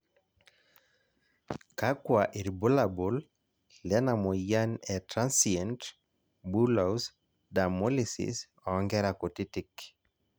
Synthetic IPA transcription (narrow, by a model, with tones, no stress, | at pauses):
ka˦kwaʔi˨ɾbo˦labo˨l | lɛ˦na˨mɔja˦nɛtɾansiɛnt | bu˦laws | da˨mo˦lisɪ̰s | ɔ˨ŋɡɛɾako˨tɪ˦tɪk